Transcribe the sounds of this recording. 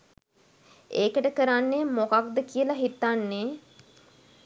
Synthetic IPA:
eːkəʈəkəɾanːemokak̚d̪əkiəlaɦit̪ːanːe

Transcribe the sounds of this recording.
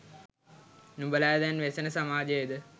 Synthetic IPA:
nubəlaːd̪ænʋesənəsamaːd͡ʒəjd̪ə

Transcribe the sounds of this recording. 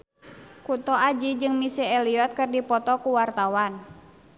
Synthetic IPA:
kut̪ɔad͡ʒid͡ʒɨŋmisɛɛliɔt̪̚kɨrdipɔt̪ɔkuwart̪awan

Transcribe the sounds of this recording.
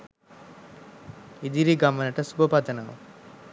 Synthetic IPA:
id̪iɾiɡamənəʈəsubʱəpad̪ənaʋṵ

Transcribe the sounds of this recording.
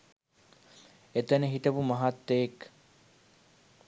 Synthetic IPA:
et̪ɐneɦit̪ɐbumɐɦat̪ːeek

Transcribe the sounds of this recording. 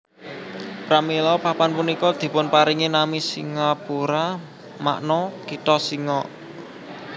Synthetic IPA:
pɾamilɔpapanpunikɔd̪̥i̤pʊnpaɾiŋenamisiŋapuɾa | ma̰ʔnɔkit̪ɔsiŋɔʔ

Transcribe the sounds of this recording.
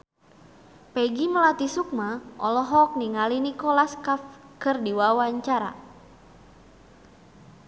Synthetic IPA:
pɛɡiməlat̪isuk̚maʔɔlɔɦɔk̚niŋalinikɔlaskafkɨrdiwawaɲt͡ʃaɾa̰

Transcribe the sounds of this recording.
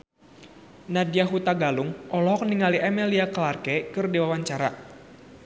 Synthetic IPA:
nadiaɦut̪aɡaluŋʔɔlɔɦɔk̚niŋaliʔɛmɛliakəlarkɛkɨrdiwawaɲt͡ʃaɾa

